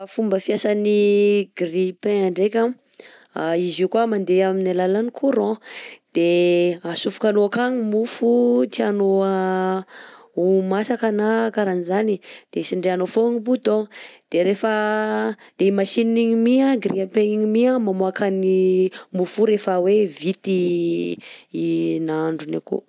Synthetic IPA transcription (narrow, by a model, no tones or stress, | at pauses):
afumbəfiasaniɡripẽaɳɖ͡ʐekʲa | aizikuamand̪eaminalalanikʰuɾɔ̃d̪̥easufu̥kanoakaɲimufut̪ianoa | umasakanakaɾanizanid̪̥esiɳɖ͡ʐeanofoŋibut̪od̪̥eɾefə | d̪̥eimasininiɲimiaɡɾiapeiɲimiamamoakanimufuɾefəwevit̪i | naɳɖ͡ʐunekṵ